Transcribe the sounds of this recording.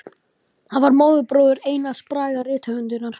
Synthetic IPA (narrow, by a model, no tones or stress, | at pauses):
hanvaɾmoːwðʏpɾoːwðʏɾeːjnaspɾaːjɣarɪːt̪hœʏnt̪ʏnaɾ̥